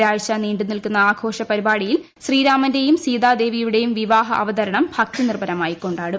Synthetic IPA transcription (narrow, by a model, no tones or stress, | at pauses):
aːjɕɐniːɳɖɨnilkunːɐaːɡʰʱo̞ːʂɐpɐɾibaːɭijil | ɕriːɾaːmɐnde̞jumsiːd̪aːd̪e̞ːʋijuɽe̞jumʋiʋaːɦɐʔɐ̰ʋɐd̪ɐɾɐɳɐmbʱɐk̚t̪inirbɐnɐmaːjikːo̞ɳɖaːɽɨ